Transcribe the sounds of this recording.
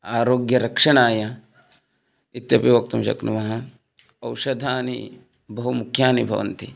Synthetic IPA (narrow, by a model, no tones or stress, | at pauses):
aːɾoːɡjɐɾɐkʂɐɳaːjɐ | it̪jɐpiʋɐk̚t̪umʃɐ̰knṵmɐɦɐ | ɐwʃɐd̪ʱaːnḭ | bɐɦumukʰjaːnibʱɐ̰ʋɐ̰nt̪i